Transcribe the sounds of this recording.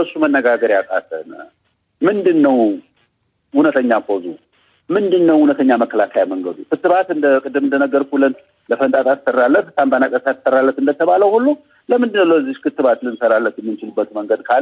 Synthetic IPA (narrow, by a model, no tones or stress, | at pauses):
əsːumənːəɡaɡəɾjakʼa̰t̪ʰə̰n | mɨnd̪ɨnːəw | hunət̪ʰəɲːakːozu | mɨnd̪ɨnːəwhunət̪ʰəɲːaməkʰːəlakʰajaməŋɡəd̪ukʰɨt̪ːɨβat̪ɨnd̪əkʼɨd̪ːɨmɨnd̪ənəɡəɾkʰulən | ləfənt̪ʼat̪ʼat̪sərːalːət̪hɨsambənakʼət̪at̪ɨ̥sərːalːət̪ɨnd̪ət̪ʰəβaləwhulːu | ləmɨnd̪ɨnːəwləɨzːiʃkʰɨt̪ːɨβat̪lɨnsəɾalːət̪jɛmːɨnt͡ʃɪlɨbːət̪məŋɡəd̪kʰa